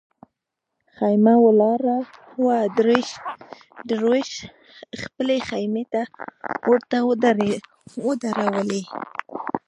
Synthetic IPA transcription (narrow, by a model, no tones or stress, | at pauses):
xajmawəlɑɾahwad̪ɾeʃ | d̪ɾoʃ | xpəlexajmet̪awəɽt̪a | wəd̪aɾawəle